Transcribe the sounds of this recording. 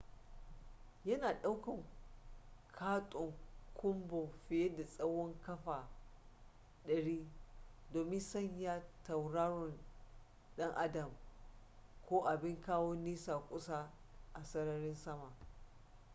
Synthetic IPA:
jɐ˦naː˨ɗa˦wkɐ˨ŋ | kʰaː˦tʼʊ˨ŋkʰʷʊ˦mbo˨ɸɪ˨je˦da˨sʼɐ˦wɔ˦ŋkɐ˦ɸaː˨ | ɗɐ˨ɽiː˦doː˨mɪ˦nsɐ˦ɲjaː˦ta˨wɽaː˦ɾɔ˨n | ɗɐ˦ŋʔa˦dɐ˨m | kʰʷoː˦ʔa˨bɪ˦ŋkaː˦wo˦niː˦saː˨kʷʼʊ˦sa˦ | ʔa˨sɐ˦ɾɐ˦ɾɪ˦nsɐ˦ma˨ʔ

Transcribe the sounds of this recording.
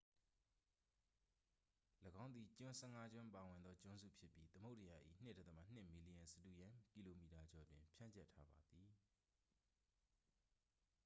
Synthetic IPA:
ləɡã˦ʊnd̪ði˨t͡ɕʊ̃˦sɛ˦˨ŋa˦d͡ʑwɪ̃˦mpa˨wɪ̃˨nd̪ðɔ˦t͡ɕʊ̃˦nzṵ˦˨pʰjɪ˦pji˦t̪əmo˦ʊʔtə˨ja˨ʔḭ˦˨n̥ɪ˦˨dɛ˦t̪əma˦˨n̥ɪ˦ʔmi˨li˨ã˨nsədu˨jã˨ki˨lo˨mi˨ta˨d͡ʑɔ˨twɪ̃˨mpʰjã˦˨ɲt͡ɕɛ˦˨tʰːa˦ba˨d̪i˨

